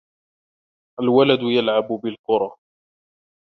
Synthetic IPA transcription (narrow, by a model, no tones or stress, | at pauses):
ʔalwalad̪ʊjalʕabʊbɪlqʊɾˤɑː